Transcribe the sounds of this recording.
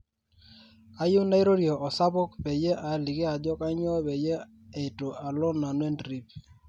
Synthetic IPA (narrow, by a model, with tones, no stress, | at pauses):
a˦jʊ˦na˦i˦ɾo˦ɾi˨ɔ˨ʔɔ˨sa˦bɔ˦kpe˨je˦ʔa˨li˨ke˦a˨d͡ʒɔ˦ka˦ɲɔ˦be˨je˦ | e˨to˨ʔa˨lɔ˦na˨nwe˦ndɾi˦p